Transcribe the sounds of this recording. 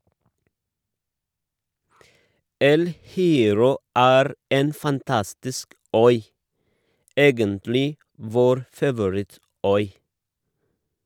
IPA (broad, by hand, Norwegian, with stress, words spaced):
ˈɛl hɪˈeːɾɔ ˈæːɾ ˈeːn fɑnˈtɑstɪsk ˈœʏ ˈeːɡəntlɪ ˈʋoːɾ fɑʋʊˈɹɪˌtœʏ